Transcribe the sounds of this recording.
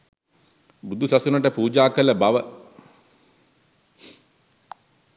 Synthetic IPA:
bud̪ʱusasunəʈəpuːd͡ʒaːkələbaʋə

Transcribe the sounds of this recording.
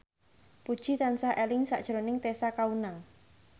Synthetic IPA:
pud̥ʒ̥i̤t̪ansaʔelɪŋsa̰ʔd̥ʒ̥ɾonɪŋt̪esakaunaŋ

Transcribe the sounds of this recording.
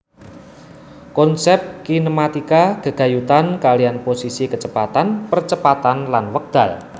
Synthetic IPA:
kɔnsɛp̚kinəmat̪ikaɡ̥əɡ̥a̤jut̪ankalianposisikət͡ʃəpat̪anpərt͡ʃəpat̪anlanwək̚d̪̥a̤l

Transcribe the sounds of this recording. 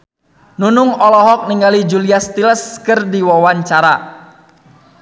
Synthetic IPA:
nunʊŋɔlɔɦɔk̚niŋɡalid͡ʒuliast̪iləskərdiwɔwaɲt͡ʃaɾa

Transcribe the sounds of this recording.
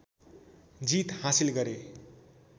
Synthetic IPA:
d͡zit̪hasilɡʌɾe

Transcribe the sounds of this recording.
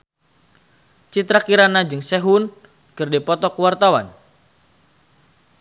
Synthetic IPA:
t͡ʃit̪ɾakiɾanad͡ʒɨŋsɛɦun | kɨrdipɔt̪ɔkuwart̪awa̰n

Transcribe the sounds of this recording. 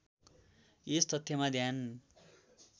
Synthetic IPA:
est̪ʌt̪ʰjʌmad̪ʱjan

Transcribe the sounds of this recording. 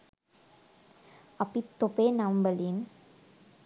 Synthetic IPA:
ɐpit̪ːopeːnaʋmbəlin

